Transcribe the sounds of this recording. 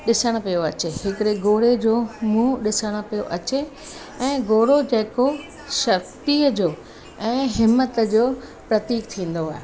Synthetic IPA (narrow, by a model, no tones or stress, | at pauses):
ɗɪsəɽ̃pijoɐt͡ɕeɦɪkɪɽeɡoːɽed͡ʑoːmũɗɪsəɽ̃ə̆pijoʔɐt͡ɕe | ɛ̃ːɡoːɽod͡ʑɐːɪko | ʃɐkt̪iːəd͡ʑoː | ɛ̃ːɦɪmːət̪əd͡ʑoː | pɾɐt̪iːkt̪ʰĩːn̆d̪oaːɦe